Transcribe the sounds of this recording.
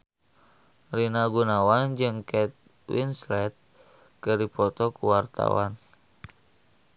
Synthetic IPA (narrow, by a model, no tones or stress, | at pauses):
rinaɡunawand͡ʒɨŋkɛt̪̚ | wḭnslɛt̪̚ | kɨripɔt̪ɔkuwart̪a̰wa̰n